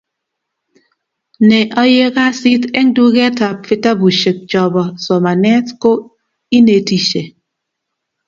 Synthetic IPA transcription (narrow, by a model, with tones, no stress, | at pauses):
nɛ˨ʔɔ˦je˦ka˦si˦tɛ˦ŋdu˦ɡɛ˦ta˨pfɪ˦ta˦bu˨ʃə˨k̚t͡ʃɔ˨bɔ˨sɔ˨ma˨nɛ˦tko˦ | i˦ne˨ti˨ʃe˨